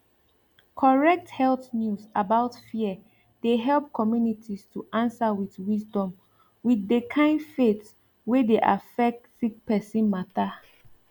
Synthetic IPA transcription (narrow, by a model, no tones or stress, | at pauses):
kʰɔɹɛk̚thɛlθnjusabaʊtfiə | d̥eɦɛlˠp̚kʰɔmjunitʰistʰuʔãnsawiθwisdɔ̃m | wiθdekʰãɪ̃ndfets | wedeʔa̰fɛk̚tsik̚pɛsĩnmata